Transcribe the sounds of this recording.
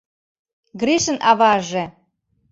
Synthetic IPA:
ɡɾiʃənʔɑβɑʒe

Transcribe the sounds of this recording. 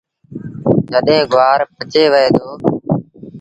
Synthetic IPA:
d͡ʒəɗɦẽːɡʊʋaːɾpʰət͡ʃeːʋəeːd̪oː

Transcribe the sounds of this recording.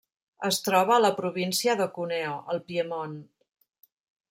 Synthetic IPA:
əst̪ɾɔβ̞əːləpɾuβinsiəðəkuneoʔəlˠpiəmon

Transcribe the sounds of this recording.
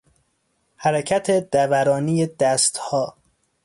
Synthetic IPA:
hæɾecʰæt̪ʰed̪ævæɾɒːnijed̪æst̪hɒː

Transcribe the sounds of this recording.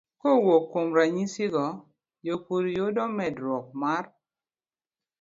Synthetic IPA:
kowokːomɾaɲisiɡɔ | jokuɾjodɔmɛdɾɔk̚mar

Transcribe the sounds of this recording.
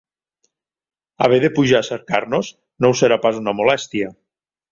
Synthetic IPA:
aβ̞eðepuʒaːseɾkaɾnoz | nowseɾapazunamolɛst̪iə

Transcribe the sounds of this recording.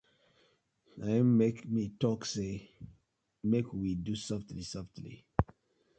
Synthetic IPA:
aõnmekmitɔkse | mekwidusʌftlisʌftlḭ

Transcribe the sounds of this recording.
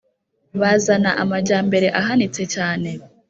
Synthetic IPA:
βazanaʔamaɾɟaːmbe̞ɾe̞ʔaɦanit͡se̞t͡ʃaːne̞

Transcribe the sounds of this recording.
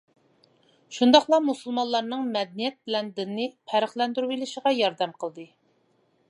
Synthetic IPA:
ʃund̪ɑχlˠɑmusulˠmɑllːˠɑɾnɨŋmɛd̪nijɛt̪̚bɪlɛnd̪ɪnːɪpʰæɾəχlˠɛnd̪yɾuilɪʃəʁɑjɑɾd̪ɛmqʰəlˠd̪ɨ

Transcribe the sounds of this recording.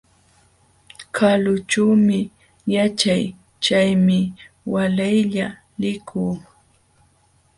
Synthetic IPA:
kʰalʊt͡ʃawmɪ | jat͡ʃaj | t͡ʃajmɪ | walajʎa | lɪkʰuː

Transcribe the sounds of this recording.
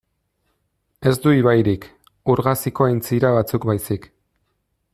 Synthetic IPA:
e̞zd̪uiβajɾik | uɾɣasikoajnt͡siɾaβat͡sukbajsik

